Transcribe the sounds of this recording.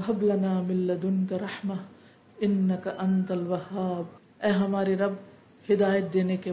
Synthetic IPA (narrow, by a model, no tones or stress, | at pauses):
ɦɐblɐnaːmɪlːɐd̪ʊnkɐɾɐħmɐ | ɪnːɐkɐʔɐnt̪ɐlwɐɦaːb | ɛːɦɐmaːɾeɾɐb̚ | hɪd̪aːjət̪̚d̪eːneke